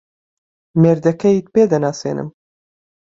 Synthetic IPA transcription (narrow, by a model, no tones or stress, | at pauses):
meːɾd̪ɐkʰɐjiːt̪̚peːd̪ɐnaːsḛːnɨ̰m